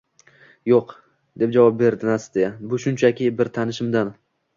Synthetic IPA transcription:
joq | d̪̥e̞p̚d͡ʒavɒp̚be̞ɾd̪ɪnasd̪ejabʊʃʊnt͡ʃʰakʲɪbɪɾt̪ʰanɪʃɪmd̪an

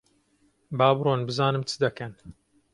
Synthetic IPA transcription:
bɑːbɾoːnbɨzaːnɨmt͡sʰɨd̪ɐkɐn

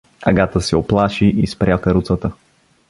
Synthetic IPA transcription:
ɐ̰ɡat̪əsɛoplˠaʃiʔispɾʲakəɾut̪sət̪ə

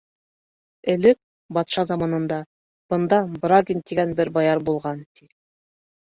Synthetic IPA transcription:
ɘ̆lɘk̚ | bɑt̪ʃɑzɑmɑnɤ̆nd̪ɑ | b̥ɤ̆nd̪ɑbraɡʲint̪iɡænbɘɾbɑjɑɾbulˠʁɑnt̪i

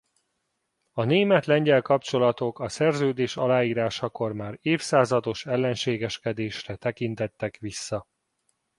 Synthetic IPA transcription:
ɒneːmɛt̪lɛɲɟɛlkɒpt͡ʃo̞lɒt̪o̞kɒsɛrzøːd̪eːʃɒlaːiːɾaːʃɒko̞rmaːɾeːfsaːzɒd̪o̞ʃɛlːɛnʃeːɡɛʃkɛd̪eːʃrɛt̪ɛkint̪ɛt̪ːɛkʋisːɒ

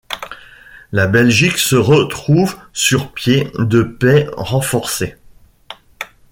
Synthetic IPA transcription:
labɛlʒiksəʁət̪χuvsyʁpjed̪əpɛʁɑ̃fɔʁse

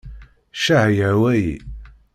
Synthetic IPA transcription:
ʃahjəwæjḭ

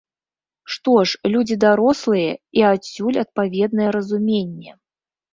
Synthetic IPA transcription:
ʂt̪ɔʂlʲud͡zʲid̪aɾɔslˠɨjɛiasʲːulʲɐt̪̚pavʲɛd̪nɐjɛɾɐzumʲenʲːɛ

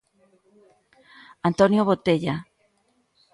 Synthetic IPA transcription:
ant̪onjoβot̪eʎa

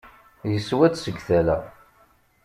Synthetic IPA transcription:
jəsːwæt͡ssəɡθælæ̰

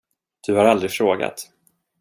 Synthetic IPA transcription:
d̪̥ɵhaɾald̪ɾɪfɾoːɡa̰t̪

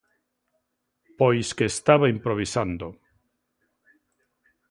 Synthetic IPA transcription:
pojskeːst̪aβaimpɾoβ̞isand̪o

